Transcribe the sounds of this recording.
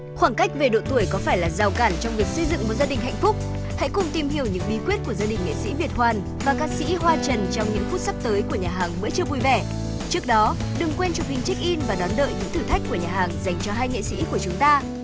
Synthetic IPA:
xwaː˧˩nka˦˥jk̟̚ve˨˩ɗo̰˧˨t̪u˧˩əjkɔ˨˦faː˧˩jlaː˨˩za˨˩wkaː˧˩nt͡ɕɔ˧wŋ͡mvi˨˩ək̚sə˧jzɨ̰˧˨ŋm˨˩t̚zaː˧ɗï˨˩ŋ̟ɦa̰˧˨jŋ̟fʊ˦˥k͡p̚ | ha̰˧˥jkʊ˧˩ŋ͡mt̪i˧mhi˧˩əwɲɨ̰˧˥ŋɓi˨˦kwi˦˥ət̚ku˧˩əzaː˧ɗï˨˩ŋ̟ŋḛ˧˨sḭ˧˥ɓi˨˩ət̚hwaː˨˩n | vaː˨˩kaː˦˥k̚sḭ˧˥ɦwaː˧t͡ɕə˨˩nt͡ɕɔ˧wŋ͡mɲɨ̰˧˥ŋfu˦˥t̚sa˦˥p̚t̪əː˨˦jku˧˩əɲaː˨˩ɦaː˨˩ŋmə̰˧˥t͡ɕɨ˧əɓu˧jvɛ˧˩ | t͡ɕɨ˦˥ək̚ɗɔ˨˦ | ɗɨ˨˩ŋkwɛ˧nt͡ɕɔ˧hi˨˩ŋ̟t͡ɕi˦˥k̟̚ʔi˧nvaː˨˩ɗɔ˨˦nɗə̰ː˧˨jɲɨ̰˧˥ŋt̪ʰɨ˨˩t̪ʰa˦˥jk̟̚kːu˧˩əɲaː˨˩ɦaː˨˩ŋza˨˩jŋ̟t͡ɕɔ˧ɦaː˧jŋḛ˧˨sḭ˧˥ku˧˩ət͡ɕʊ˨˦ŋ͡mt̪aː˧

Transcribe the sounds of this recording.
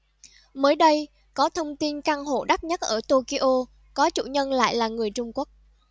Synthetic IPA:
məː˨˦jɗə˧j | kɔ˨˦t̪ʰə˧wŋ͡mt̪i˧nkaː˧ŋɦo̰˧˨ɗa˦˥t̚ɲə˦˥t̚ʔəː˧˩t̪o˧ki˧ʔo˧ | kɔ˨˦t͡ɕṵ˧˨ɲə˧nla̰ː˧˨jlaː˨˩ŋɨ˨˩əjt͡ɕʊ˧ŋ͡mku˦˥ək̚

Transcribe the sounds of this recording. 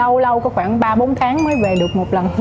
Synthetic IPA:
ə˧wlə˧wkɔ˨˦xwaː˧˩ŋɓaː˧ɓo˨˦nt̪ʰaː˨˦ŋməː˨˦jve˨˩ɗɨ˨˩ək̚mo˨˩t̚lə˨˩n

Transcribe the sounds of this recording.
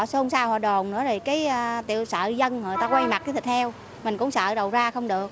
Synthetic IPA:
so˧ŋ͡msaː˧haː˨˩ɗo˨˩ŋ͡mnɨ̰˧˥əzo˨˩jkaː˨˦jt̪ḭ˧˨əwsə̰ː˧˨zə˧nho˨˩jt̪aː˧kwa˧jma˨˩t̚kaː˨˦t̪ʰi˨˩t̪ʰɛ˧w | mï˨˩ŋ̟kʊ̰˧˥ŋ͡msə̰ː˧˨ɗə˨˩wzaː˧xə˧wŋ͡mɗɨ˨˩ək̚

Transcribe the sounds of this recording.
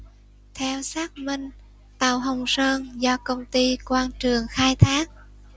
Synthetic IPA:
t̪ʰɛ˧wsaː˦˥k̚mï˧˩ŋ̟ | t̪a˨˩wɦə˨˩wŋ͡msəː˧nzɔ˧kə˧wŋ͡mt̪i˧kwaː˧nt͡ɕɨ˨˩əŋxaː˧jt̪ʰaː˦˥k̚

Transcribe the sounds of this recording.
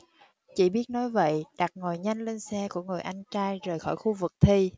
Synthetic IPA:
t͡ɕḭ˧˨˩ɓi˦˥ət̚nɔ˨˦jvə̰˧˨jɗa˨˩k̚ŋo˨˩jɲa˧jŋ̟le˧nsɛ˧ku˧˩əŋɨ˨˩əjʔa˧jŋt͡ɕaː˧jzəː˨˩jxɔ̰˧˩jxu˧vɨ˨˩k̚t̪ʰi˧

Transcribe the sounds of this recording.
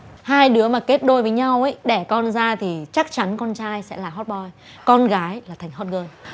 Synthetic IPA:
haː˧jɗɨ˨˦əmaː˨˩ke˦˥t̚ɗo˧jvəː˨˦jɲa˧wʔə˨˦jɗɛ˧˩kɔ˧nzaː˧t̪ʰi˨˩t͡ɕa˦˥k̚t͡ɕa˨˦nkɔ˧nt͡ɕaː˧jsɛ̰˧˥laː˨˩ɦɔ˦˥t̚ɓɔ˧j | kɔ˧nɣaː˨˦jlaː˨˩t̪ʰŋ̟ɦɔ˦˥t̚ɣəː˧n

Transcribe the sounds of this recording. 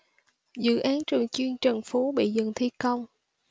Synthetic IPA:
zɨ̰˧˨ʔaː˨˦nt͡ɕɨ˨˩əŋt͡ɕwi˧ənt͡ɕə˨˩nfu˨˦ɓḭ˧˨zɨ̰˧˨ŋt̪ʰi˧kə˧wŋ͡m

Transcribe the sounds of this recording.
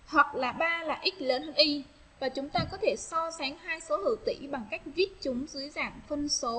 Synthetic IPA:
hwa˨˩k̚laː˨˩ɓaː˧laː˨˩ʔi˦˥k̟̚ləː˨˦nʔi˧ | vaː˨˩t͡ɕʊ˨˦ŋ͡mt̪aː˧kɔ˨˦t̪ʰe˧˩sɔ˧sa˨˦ŋhaː˧jso˨˦hɨ̰˧˩wt̪ḭ˧˩˨ɓa˨˩ŋka˦˥jk̟̚vi˦˥ət̚t͡ɕʊ˨˦ŋ͡mzɨ˨˦əjza̰ː˧˨ŋfə˧nso˨˦

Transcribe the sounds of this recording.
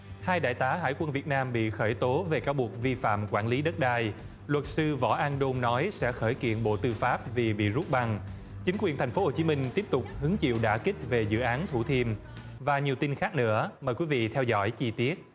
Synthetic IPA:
haː˧jɗa̰ː˧˨jt̪aː˨˦ɦa̰ː˧˩jkwə˧nvi˨˩ət̚naː˧mɓḭ˧˨xəː˧˩jt̪o˨˦ve˨˩kaː˨˦wɓu˨˩ək̚vi˧fa̰ː˧˨mkwaː˧˩nli˨˦ɗə˦˥t̚ɗaː˧j | lwə˨˩t̚sɨ˧vɔ̰˧˩ʔaː˧nɗo˧mnɔ˨˦jsɛ̰˧˥xəː˧˩jkḭ˧˨ənɓo̰˧˨t̪ɨ˧faː˦˥p̚vi˨˩ɓḭ˧˨zu˦˥t̚ɓa˧˩ŋ | t͡ɕï˨˦ŋkwi˨˩ənt̪ʰa˨˩jŋ̟fo˨˦ho˨˩t͡ɕi˨˦mï˧ŋ̟t̪i˦˥əp̚t̪ʊ˨˩k͡p̚hɨ˨˦əŋt͡ɕḭ˧˨wɗa̰ː˧˩kï˦˥k̟̚ve˨˩zɨ̰˧˨ʔaː˨˦nt̪ʰu˧˩t̪ʰi˧əm | vaː˨˩ɲi˨˩əwt̪i˧nxaː˦˥k̚nɨ̰˧˥əməː˨˩jkwi˨˦vḭ˧˨t̪ʰɛ˧wzɔ̰˧˩jt͡ɕi˧t̪i˦˥ət̚

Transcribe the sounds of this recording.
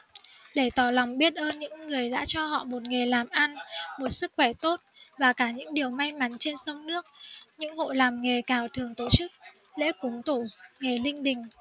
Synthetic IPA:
ɗe˧˩t̪ɔ˨˧˩la˨˩wŋ͡mɓi˦˥ət̚ʔəː˧nɲɨ̰˧˥ŋːɨ˨˩əjɗa̰ː˧˥t͡ɕɔ˧hɔ̰˧˨mo˨˩t̚ŋe˨˩laː˨˩mʔa˧nmo˨˩t̚sɨ˦˥k̚xwɛ˧˩t̪o˦˥t̚vaː˨˩kaː˧˩ɲɨ̰˧˥ŋɗi˨˩əwma˧jma˨˦nt͡ɕe˧nsə˧wŋ͡mnɨ˦˥ək̚ɲɨ̰˧˥ŋho̰˧˨laː˨˩mŋe˨˩kaː˨˩wt̪ʰɨ˨˩əŋt̪o˧˩t͡ɕɨ˦˥k̚ | lḛ˧˥kʊ˨˦ŋ͡mt̪u˧˩ŋe˨˩lï˧ŋ̟ɗï˨˩ŋ̟

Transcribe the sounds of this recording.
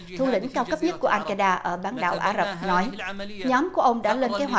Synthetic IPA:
t̪ʰu˧lḭ˧˥ŋ̟kaː˧wkə˦˥p̚ɲə˦˥t̚ku˧˩əʔaː˧nkaː˧ɗaː˧ʔəː˧˩ɓaː˨˦nɗa̰ː˧˨wʔaː˧˩zə˨˩p̚nɔ˨˦jɲɔ˨˦mku˧˩əʔə˧wŋ͡mɗa̰ː˧˥le˧nke˨˦jɦwa˨˩

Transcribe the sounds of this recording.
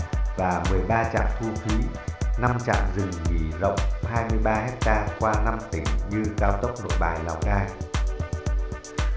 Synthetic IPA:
vaː˨˩mɨ˨˩əjɓaː˧t͡ɕa̰ː˧˨mt̪ʰu˧t̪ʰwḭ˧˨˦na˧mt͡ɕa̰ː˧˨mzɨ˨˩ŋŋi˨˦zə̰˧˨wŋ͡mhaː˧jmɨ˧əjɓaː˧hɛ˦˥k̚t̪aː˧kwaː˧na˧mt̪ï˨˦ŋɲɨ˧kaː˧wt̪ə˦˥k͡p̚no̰˧˨jɓaː˨˩jla˨˩wk͡p̚naː˧j

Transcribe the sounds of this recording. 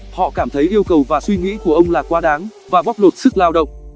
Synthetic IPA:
hɔ̰˧˨kaː˧˩mt̪ʰə˨˦jʔi˧əwkə˨˩wvaː˨˩swi˧ŋḭ˧˥ku˧˩əʔə˧wŋ͡mlaː˨˩kwaː˧ɗaː˨˦ŋvaː˨˩ɓɔ˦˥p̚lo˨˩t̚sɨ˦˥k̚laː˧wɗə̰˧˨wŋ͡m

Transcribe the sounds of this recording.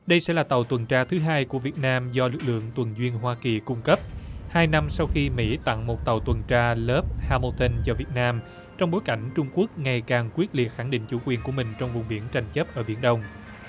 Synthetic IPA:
ɗə˧jsɛ̰˧˥laː˨˩t̪a˨˩wt̪wə˨˩nt͡ɕaː˧t̪ʰɨ˨˦ɦaː˧jku˧˩əvi˨˩ət̚naː˧mzɔ˧lɨ˨˩k̚lɨ̰˧˨əŋt̪wə˨˩nzwi˧ənɦwaː˧ki˨˩kʊ˧ŋ͡mkə˦˥p̚haː˧jna˧msa˧wxi˧mḭ˧˥t̪a̰˧˨ŋmo˨˩t̚t̪a˨˩wt̪wə˨˩nt͡ɕaː˧ləː˦˥p̚haː˧mo˧t̪ʰə˧nzɔ˧vi˨˩ət̚naː˧m | t͡ɕɔ˧wŋ͡mɓo˨˦jka˧˩jŋ̟t͡ɕʊ˧ŋ͡mku˦˥ək̚ŋa˨˩jkaː˨˩ŋkwi˦˥ət̚li˨˩ət̚xa˧˩ŋɗḭ̈˧˨ŋ̟t͡ɕu˧˩˦kwi˨˩ənku˧˩əmï˨˩ŋ̟t͡ɕɔ˧wŋ͡mvʊ˨˩ŋ͡mɓi˧˦ənt͡ɕa˨˩jŋ̟t͡ɕə˦˥p̚ʔəː˧˩ɓḭ˧˩ənɗə˧wŋ͡m

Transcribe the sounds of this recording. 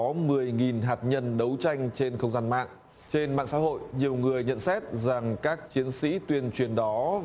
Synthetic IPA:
ɔ˨˦mɨ˨˩əjŋi˨˩nɦaː˨˩t̚ɲə˧nɗə˨˦wt͡ɕa˧jŋ̟t͡ɕe˧nxə˧wŋ͡mzaː˧nma̰ː˧˨ŋ | t͡ɕe˧nma̰ː˧˨ŋsa̰ː˧˥ɦo̰˧˨jɲi˨˩əwŋɨ˨˩əjɲə̰˧˨nsɛ˦˥t̚za˨˩ŋkaː˦˥k̚t͡ɕi˨˦ənsḭ˧˥t̪wi˧ənt͡ɕwi˨˩ənɗɔ˨˦

